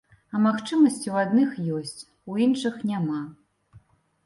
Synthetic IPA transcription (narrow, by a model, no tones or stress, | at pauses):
ɐmaxt͡ʂɨmɐsʲt͡sʲiwad̪nɨxjɔsʲt͡sʲ | uinʂɨxnʲama